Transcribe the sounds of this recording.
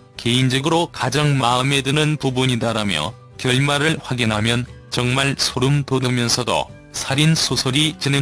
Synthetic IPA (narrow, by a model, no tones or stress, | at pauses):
ke̞ind͡ʑʌɡɯɾokad͡ʑaŋmaɯme̞dɯnɯnpubuɲidaɾamjʌ̰ | kjʌɭmaɾɯɭɸwaɡinɦamjʌn | t͡ɕʌŋmaɭsʰoɾumtodɯmjʌnsʰʌdo̰ | sʰaɾinsʰosʰoɾit͡ɕine